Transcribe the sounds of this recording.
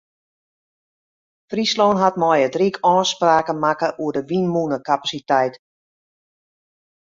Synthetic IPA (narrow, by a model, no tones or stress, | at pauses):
frisloːnɦatmɔjədrikʰɔːspraːkəmakəʔuədəʋinmunəkapasitɛjt